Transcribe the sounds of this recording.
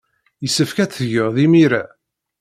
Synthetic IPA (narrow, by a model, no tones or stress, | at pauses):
jəsːəfkæt͡sːʝəʁðimiɾæ